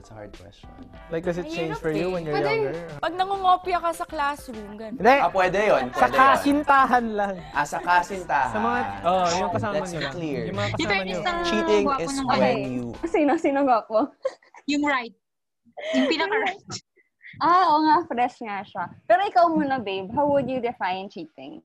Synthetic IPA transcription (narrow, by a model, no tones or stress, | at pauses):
ɐt̪sha̰ɹd̪̚kwɛ̰st͡ʃɔnlajk̚ɡ̪ɐsɪt̚t͡ʃẽjnd͡ʒfɔɹjuwɛ̃njɛwɛjdɛɡɛpɐɡ̚nɐŋʊŋoːpɪɐkɐsɐklasɾumɡɐnd̪ɛɐpwɛd̪ɛjonpsɐk̪asɪnt̪aːɦɐnlɐŋʔasɐkasɪnt̪aːhɐsɐmɐŋaojʊŋkɐsaːlɛmɐɲsokliɹjʊŋmɐŋakɐaɐɲoɐŋt͡ʃit̪ɪ̃ŋɛ̃ɛjuɐsinosinoɡopo | jʊŋɹajt̪̚ | jʊŋpinɐkɐɾaj̪ | ʔaʔoŋafɾɛʃŋaʃapɛːɾoʔɪkawmʊnɐbejbɦawwʊd̪jud̪ɪfajnt͡ʃiːt̪ɪ̰̃ŋ